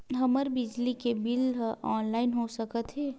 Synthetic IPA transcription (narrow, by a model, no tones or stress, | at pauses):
ɦɐməɾbɪd͡ʒlikebɪlɔːnlaːɪnɦosəkət̪ɦɛː